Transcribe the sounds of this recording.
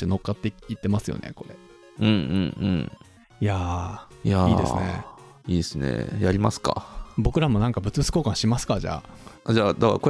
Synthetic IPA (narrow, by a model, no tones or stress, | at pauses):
t̪eno̞kːat̪ːeit̪ːe̞masɨjo̞̰nʔḛko̞ɾe | ɯ̟̃ɴɯ̃ɴɯ̰̃ɴ | jaja̰iːd̪esɨnḛ | iːsɨnḛjaɾʲimasɨ̥ka̰bo̞kɯ̟ɾamo̞nãŋkabɯ̟t͡sɨbɯ̥sɨ̥ko̞ːkãɕimasɨ̥kaʑa̰ːd͡ʑaːd̪akako